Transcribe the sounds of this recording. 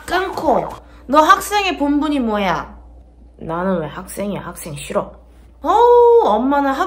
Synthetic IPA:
k͈ɯnkʰo | nʌɦak̚s͈e̞ŋe̞pumbuɲimwʌja | nanɯnwehak̚s͈e̞ŋehak̚s͈e̞ŋɕʰiɾʌ | ʌʌmːanaɦa

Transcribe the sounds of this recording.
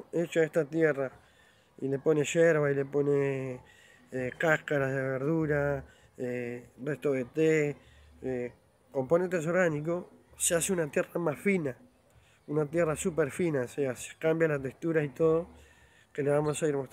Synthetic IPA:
et͡ʃoaest̪at̪jera | ile̞po̞ne̞ʃeɾβailepo̞ne | ekahkaɾazðeβeɾðuɾa | ereht̪o̞ðe̞t̪e | e | ko̞mpone̞nt̪es̬o̞ɾɣanik̬o̞seaseunat̪jeramasfina | unat̪jerasupeɾfinaosease̥kambjalat̪eht̪uɾait̪o̞ðo | ke̞leβamo̞saiɾmot̪

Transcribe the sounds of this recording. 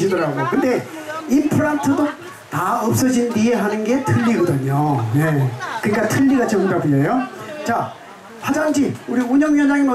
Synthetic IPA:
ɕʰidʌɾaɡojokɯnde̞ | impʰɯɾantʰɯdo | taʌp̚s͈ʌd͡ʑindie̞ɦanɯnɡe̞tʰɯɭːiɡʌdɯɲoje̞kɯɲik͈atʰɯʎːiɡat͡ɕʌŋɡabiejot͡ɕa | ɸad͡ʑaŋd͡ʑiuɾiuɲʌŋjʌnd͡ʑaŋenʌ

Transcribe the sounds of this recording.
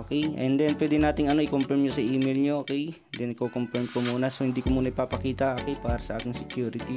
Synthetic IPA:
okɛjʔɛnd̪ɛnpwɛːd̪ɪnaːt̪ɪŋɐnoʔɪkompɛɾmɲosɐʔiːmejlɲoʔoːkɛj̪ | d̪ɛnɐkokompɛɹmkomuːnɐsohɪnd̪iːkomuːnɐɪpapɐkiːt̪ɐʔoːkɛjpaːɾɐsɐʔaːkɪŋsɛkjuːɾɪt̪i

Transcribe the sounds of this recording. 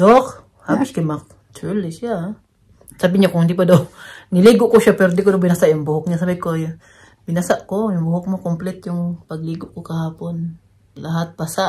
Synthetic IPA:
d̪ok | haːbɪskɪmak̚ | t͡ʃulɪʃa | saːbɪɲakʊŋhɪnd̪ipad̪onɪliːɡʊʔkoʃapɛɾd̪ikod̪owbɪnasaʔjʊŋbʊhʊk̚ɲasabɪkoj | bɪnasaʔkojʊŋbʊhʊk̚mokomplɛt̪jʊŋpɐɡ̚liːɡʊʔkokɐhaːpon | lɐɦat̪̚basaʔ

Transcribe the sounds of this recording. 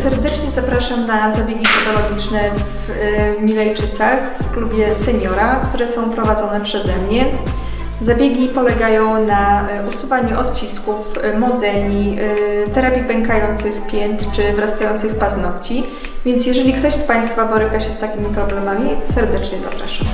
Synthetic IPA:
sɛɾd̪ɛt͡ʂɲɛzapɾaʂamnazabʲjeɡʲipɛt̪ɔlɔɡʲit͡ʂnɛ | v | mʲilɛjt͡ʂɘt̪sax | fklubʲjɛsɛɲɔɾakt̪uɾɛsɔ̃w̃pɾɔvad̪zɔnɛpʂɛzɛmɲɛ | zabʲjeɡʲipɔlɛɡajɔ̃w̃na | usuvaɲuʔɔt̪t͡ɕiskufmɔd̪zɛɲit̪ɛɾapʲipɛŋkajɔnt̪sɘxpʲjɛnt̪t͡ʂɘvɾast̪ajɔnt̪sɘxpaznɔpt͡ɕi | vʲjɛnt̪s̬ʲjɛʐɛlʲikt̪ɔɕspaj̃st̪fabɔɾɘkaɕɛst̪akʲimʲipɾɔblɛmamʲisɛɾd̪ɛt͡ʂɲɛza̰pɾa̰ʂam

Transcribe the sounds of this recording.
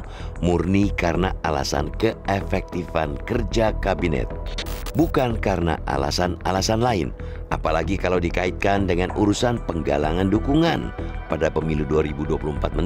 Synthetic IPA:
murnikarəna̰ala̰sa̰nkəefɛk̚t̪ifankərd͡ʒakabinɛ̰t̪̚bukankarəna̰ʔa̰la̰sanalasanlaɪn | apalaɡikalawdikait̪̚kandəŋanuɾusanpəŋɡa̰laŋandukuŋan | padapəmiluduaɾibuduapuluəmpat̪̚mə

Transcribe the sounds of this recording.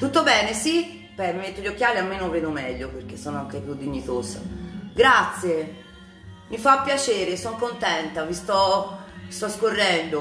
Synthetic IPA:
t̪ut̪ːobɛːnesi | pɛmimet̪ːoʎːok̟ːjaːliamːenopɾɛːd̪omɛʎːoperk̟esːɔːnoaŋkepjud̪ːiɲːit̪oːza̰ɡɾat̪sːje | mifapːjat͡ʃeːɾesɔŋkont̪ɛnt̪avist̪ɔ | st̪ɔskorːɛnd̪o

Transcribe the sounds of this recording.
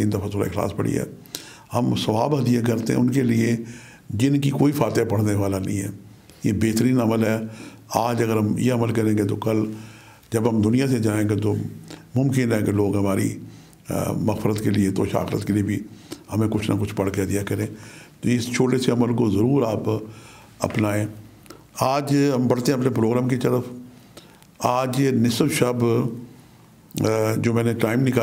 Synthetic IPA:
t̪iːnd̪ɐfat̪ʰoːɾa̰ɪxla̰ːspɐ̰ɽḭɦɛ̰ː | hɐmsɐʋaːbɐd̪ijak̬ɐɾt̪eɦɛ̰̃ʊnkelie | d͡ʒɪnkikoːifʰaːt̪japɐɽ̤neʋaːlanɐ̰ɦĩːɦɛ̰ː | jebeːt̪əɾiːnɐməlɦɛ | aːd͡ʒɐɡəɾɦɐmjḛɐməlkɐɾẽːɡet̪̬okɐl | d͡ʒɐbɦɐmd̪ʊnijased͡ʒaːẽɡet̪omʊmkɪnɦɛkeloːɡɦɐmaːɾḭ | mɐɣfɾət̪keliet̪o̰ʃa̰ːxɾə̰t̪̚keliebʱihɐmẽkʊt͡ʃʰna̰kʊt͡ʃʰpɐɽked̪ijakɐɾẽːt̪oɪst͡ʃʰoːʈeseɐməlkozɐɾuːɾaːp | ɐ̰pnaːẽː | aːd͡ʒɦɐmbɐɽ̤t̪eɦɛ̃ɐpnep̬ɾoːɡɾaːmkit̪ɐɾəf | aːd͡ʒnɪsəbʃɐb | d͡ʒoːmɛ̃ːneʈaːɪmnɪ̃ka

